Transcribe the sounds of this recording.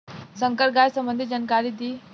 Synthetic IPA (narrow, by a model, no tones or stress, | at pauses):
səŋkəɾ̚ɡajsəmbənd̪ʱid͡ʒənkaɾid̪i